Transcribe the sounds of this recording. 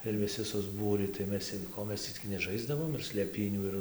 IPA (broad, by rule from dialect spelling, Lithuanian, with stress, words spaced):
ɪr ʋʲɪˈsʲɪ sʊzˈbuːrʲiː tɐɪ ˈmʲɛs ˈkoː ˈmʲɛs tʲiː t͡sʲɪk nʲɛˈʒɐɪzdɐʋoːm ɪr sʲlʲeːˈpʲiːnʲuː ɪr